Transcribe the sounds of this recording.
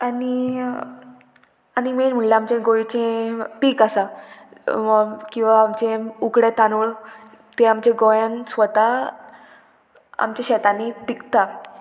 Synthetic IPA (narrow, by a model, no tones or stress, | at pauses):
ani | animenm̤əɭlaamt͡ɕẽɡojt͡ɕẽpiːkasa | kĩw̃ʋaːmt͡ɕẽukɽet̪anuɭ | t̪eamt͡ɕẽɡojãnsʋət̪a | a̰mt͡ɕaɕɛt̪anipikt̪a